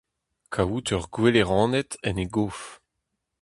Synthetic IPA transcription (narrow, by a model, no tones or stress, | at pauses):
kʰawut̪œʁɡweleʁɑ̃ːnɛt̪ɛneɡof